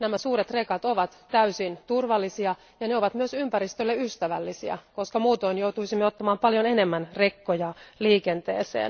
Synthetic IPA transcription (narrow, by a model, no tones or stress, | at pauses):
næmæsuːɾet̪rekɑt̪oʋɑt̪tæysint̪urʋɑlːisiɑ | jɑneoʋɑt̪myøsympæɾist̪ølːeyst̪æʋæ̰lːisiɑ̰ko̞skɑmuːt̪o̞injowt̪uisimːeot̪ːɑmɑːmpɑljonene̞mːænrekːojɑliːkent̪ḛːsḛːn